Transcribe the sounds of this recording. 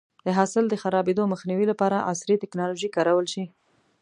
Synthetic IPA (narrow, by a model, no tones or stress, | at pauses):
d̪̥əɦɑsɪld̪əxaɾɑbed̪oməxniwilapɑɾaʔɑ̰sɾit̪ɪknɑloʒikɑɾawəlʃi